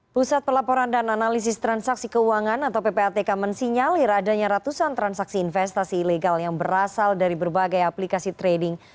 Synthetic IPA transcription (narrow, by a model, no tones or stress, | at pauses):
pusat̪̚pəlapɔɾandananalis̬ɪst̪ɾansaksikəuaŋanat̪awpepeat̪ekamansiɲalɪɾadaɲaɾat̪usant̪ɾansaksiːnfɛst̪asiːleɡaljaŋbəɾasaldaɾibərbaɡajaplikasit̪ɾedɪŋ